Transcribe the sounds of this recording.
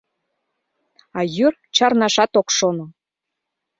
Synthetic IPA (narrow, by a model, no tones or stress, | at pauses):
ɑjyr | t͡ɕɑrnɑʃɑt̪okʃono